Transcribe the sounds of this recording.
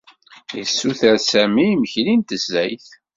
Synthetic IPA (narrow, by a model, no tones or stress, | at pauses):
jə̰sːuθæɾsæmiːməçlint̪əzːæjθ